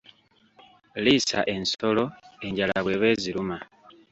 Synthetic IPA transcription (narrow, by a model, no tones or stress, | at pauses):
lisa̰ʔe̞nso̞lo̞e̞ɲɟalaβwe̞βe̞ːziluma